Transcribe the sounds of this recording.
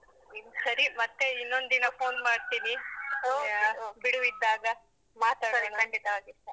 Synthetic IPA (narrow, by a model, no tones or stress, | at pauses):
isɐɾimɐt̪ːe̞inːo̞nd̪d̪inɐpʰoːnmaːɖt̪iːni | biɽuid̪ːaːɡɐ | maːt̪aːɽɐnkʰɐɳɖit̪ɐʋaːɡiʂʈɐ